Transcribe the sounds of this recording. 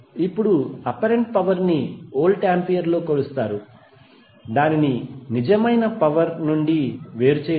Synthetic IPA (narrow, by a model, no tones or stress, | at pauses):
ipːuɽuɐpɐɾeɳʈ̚pɐʋɐɾnioːlʈaːmpijɐɾlo̞ːkoːɭust̪aːɾu | d̪aːnininid͡ʒɐmɐjnɐpɐʋɐɾnuɳɖiʋe̞ːɾut͡ʃeː